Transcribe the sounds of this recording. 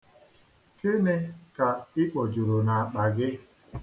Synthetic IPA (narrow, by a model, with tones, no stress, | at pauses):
ke˦ne˦ka˨ɪ˦k͡pɔ˨d͡ʒu˨ɾo˨na˨a˨k͡pa˨ɡɪ˦